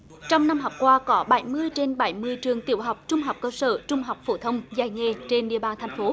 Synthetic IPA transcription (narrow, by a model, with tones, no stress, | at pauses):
t͡ɕɔ˧wŋ͡mna˧mɦɔ˨˩wk͡p̚kwaː˧kɔ˨˦ɓa˧˩jmɨ˧əjt͡ɕe˧nɓə˧˩jmɨ˧əjt͡ɕɨ˨˩əŋt̪i˧˩əwɦa˨˩wk͡p̚t͡ɕʊ˧ŋ͡mɦa˨˩wk͡p̚kəː˧sə̰ː˧˩t͡ɕʊ˧ŋ͡mɦa˨˩wk͡p̚fo˧˩t̪ʰə˧wŋ͡mza̰ː˧˩jŋe˧˨˩t͡ɕe˧nɗḭ˧˨əɓaː˧nt̪ʰjŋ̟fo˨˦